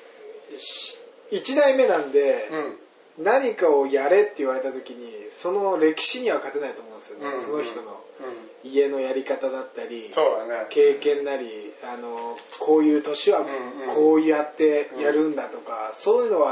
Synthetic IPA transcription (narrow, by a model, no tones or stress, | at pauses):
it͡ɕid̪aime̞nãnd̪e̞ | naɲ̟ikaojaɾe̞t̪ːe̞iβaɾe̞t̪at̪o̞kʲiɲ̟iso̞no̞ɾe̞kʲi̥ɕiɲ̟iβakat̪e̞nait̪oːmõnd̪esɨjo̞neso̞no̞çi̥t̪o̞no̞̰ | ie̞no̞jaɾʲikat̪ad̪at̪ːaɾʲisoke̞ːkẽ̞nːaɾʲiano̞kʰo̞ːjɯ̟ːt̪o̞ɕiβakʰo̞ːɯ̟jat̪ːe̞jaɾɯ̟̃nd̪at̪o̞kaso̞ːjɯ̟no̞βa